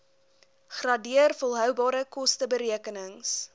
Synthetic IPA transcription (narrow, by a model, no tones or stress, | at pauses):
χrɐdiərfolˠɦœwbɑːɾəkɔstəbəɾiəkənəŋs